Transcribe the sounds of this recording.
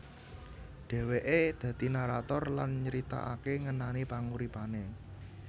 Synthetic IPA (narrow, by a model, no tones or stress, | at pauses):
ɖ̥ɛ̤weʔed̪̥ä̤t̪inaɾat̪ɔrlanɲəɾit̪a̰ʔa̰keŋənanipaŋuɾipane